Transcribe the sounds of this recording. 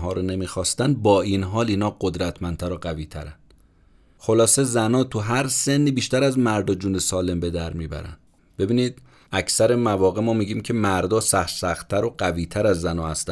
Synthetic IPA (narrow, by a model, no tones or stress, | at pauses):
ɦɒːɾone̞miːxɒːst̪ænd̪̚bɒːiːnɦɒːliːnɒːɢod̪ɾæt̪ʰmænt̪ʰæɾoɢæviːt̪ʰæ̰ɾænd̪ | xo̞lɒːse̞zænɒːt̪ʰuɦæɾse̞nːiːbiːʃt̪æɾæzmæɾd̪ɒːd͡ʒuːne̞sɒːle̞mbe̞d̪æɾmiːbæ̰ɾæ̰nd̪ | b̥e̞biːniːd̪̥ | æcʰsæɾemævɒːɣe̞mɒːmiːɟiːmcʰe̞mæɾd̪ɒːsæxɾsæxt̪ʰːæɾoɡæviːt̪ʰæɾæzːænɒːhæst̪æ